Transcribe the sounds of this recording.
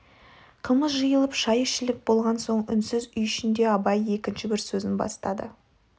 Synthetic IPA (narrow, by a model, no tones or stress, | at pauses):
qʰəlˠməsʒəjəlˠəpʃɑjɪʃɪlɪk̚bo̞lˠʁɑnso̞ɴʏnsɪzʏjʏʃɪnd̪e̞ɑbɑje̞kʲɪnʃɪbɪɾsɵzɪnbɑ̰st̪ɑd̪ə̰